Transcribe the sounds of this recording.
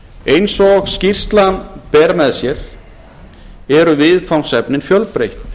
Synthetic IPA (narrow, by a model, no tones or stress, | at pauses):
ejnsɔɣscir̥st̪lanpɛːɾamɛðsjɛɾ̥ | ɛɾʏvɪðfawnsɛpnɪnfjœlpɾejht̪